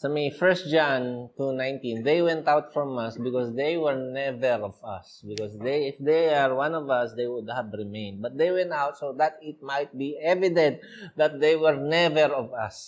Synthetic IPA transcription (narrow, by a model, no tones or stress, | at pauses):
somifɛɹst̪̚d͡ʒãnt̪unãj̃nt̪ĩnd̪ejwɛ̃nt̪awt̪fɹɔ̃mʌsbɪkɔsd̪ejwɛɹnɛvɛɹɔvʌ̰sbɪkɔsd̪eɪfd̪ejaɹwãnɔvʌsd̪ejwʊd̪̚havɹɪmẽɪ̃nd̪̚bɐt̪̚d̪ejwɛ̃nt̪awt̪̚sod̪at̪ɪt̪̚majt̪̚biɛvɪd̪ɛ̃nt̪̚ | d̪at̪̚d̪ejwɛɹnɛvɛɹɔvʌs